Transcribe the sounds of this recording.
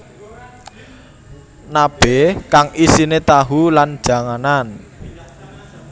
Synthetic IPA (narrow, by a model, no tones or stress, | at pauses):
nab̥ɛ̤kaŋisinet̪aɦuland̥ʒ̥ä̤ŋanan